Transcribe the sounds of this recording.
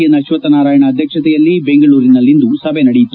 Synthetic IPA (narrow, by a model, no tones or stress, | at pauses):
jɐnɐʃʋɐt̪ɐnaːɾaːjɐɳɐːd̪ʱjɐkʂɐt̪ɛjɐlːibe̞ŋɡɐɭuːɾinɐlːind̪usɐbʱenɐɽɛjit̪ːu